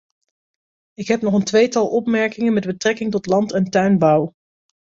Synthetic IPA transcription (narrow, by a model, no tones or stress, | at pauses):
ɪkɦɛpnɔχəntʋejtɑlˠʔɔpmɛɹkɪŋənmɛd̚bətrɛkɪŋtɔtlɑntɛntœɥnbɑw